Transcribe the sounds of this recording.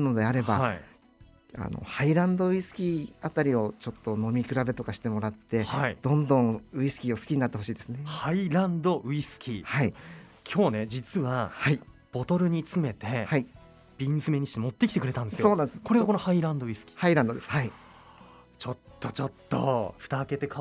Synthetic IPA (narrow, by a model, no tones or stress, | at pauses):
no̞d̪e̞aɾe̞ba | a̰no̞̰haiɾãnd̪o̞ɯ̟isɨ̥kʲiat̪aɾʲio̞t͡ɕot̪ːo̞no̞mʲikɯ̟ɾabe̞t̪o̞kaɕi̥t̪e̞mo̞ɾat̪ːe̞haid̪̥õ̞nd̪õŋɯ̟isɨ̥kʲiːo̞sɨ̥kʲiɲ̟inat̪ːe̞ho̞ɕiːd̪e̞sɨnehaiɾãnd̪o̞ʔɯ̟isɨ̥kʲihaikʲʰo̞ːne̞d͡ʑit͡sɨβahaib̥o̞t̪o̞ɾɯ̟ɲ̟it͡sɨme̞t̪e̞hai | b̥ʲĩnzɨme̞ɲ̟iɕi̥t̪emo̞t̪ːe̞kʲi̥t̪ekɯɾe̞t̪ãnd̪esɨjosoːnãnd̪esko̞ɾeako̞nohaiɾãnd̪o̞ɯ̟isɨ̥kʲi̥haiɾãnd̪d̪e̞sɨ̥hai | t͡ɕo̞t̪ːo̞t͡ɕo̞t̪ʰːo̞̰ɸɯ̥t̪aːke̞t̪e̞ka